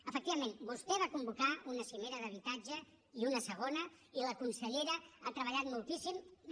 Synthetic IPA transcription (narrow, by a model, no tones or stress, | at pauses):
əfək̚t̪iβəmẽnbust̪ɛβ̞akumbukaunəsimeɾəðəβ̞it̪ad͡ʒə | iunəsəɣ̞onə | iləkunsəʎeɾəat̪ɾəβ̞əʎat̪mulˠt̪isim